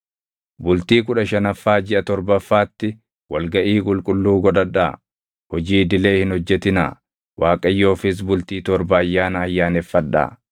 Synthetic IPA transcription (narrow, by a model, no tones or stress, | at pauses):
bʊlt̪iːkʊᶑɐʃɐnɐfːaːd͡ʒɪʔɐt̪ɔɾbɐfːaːt̪ːɪ | wɐlɡɐʔiːkʼʊlkʼʊlːuːɡɔᶑ̪ɐᶑːaː | hɔd͡ʒiːd̪ɪle̞ːhɪnhɔd͡ʒːɛt̪ɪna̰ː | wʔaːkʼɐjːo̞ːfɪs̬bʊlt̪iːt̪ɔɾbɐːjːaːnɐːjːaːnɛfːɐᶑːa̰ː